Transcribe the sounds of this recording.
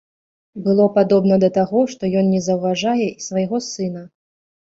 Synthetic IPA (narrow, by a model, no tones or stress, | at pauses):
bɨlˠɔpad̪ɔbnɐd̪ɐt̪aɣɔʂt̪ɔjɔnnʲɛzɐwvaʐajɛisvɐjɣɔsɨnɐ